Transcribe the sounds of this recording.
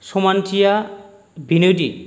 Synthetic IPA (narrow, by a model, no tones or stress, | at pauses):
somantʰija | binodi